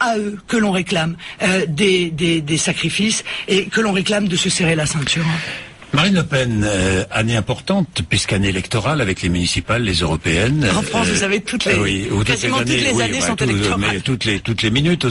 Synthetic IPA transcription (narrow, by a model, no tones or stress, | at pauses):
aøkəlɔ̃ʁeklamød̪ed̪ed̪esakχifisekəlɔ̃ʁeklamd̪əsəseʁelasɛ̃t̪yʁ | maʁinlopɛnaneɛ̃pɔʁt̪ɑ̃t̪pɥiskaneelɛkt̪ɔʁalavɛklemynisipalːezøʁɔpeɛnɑ̃fχɑ̃svuzavet̪ut̪lewit̪zm̃anet̪lewanesɔ̃t̪elɛmɛt̪ut̪let̪ut̪leminyt̪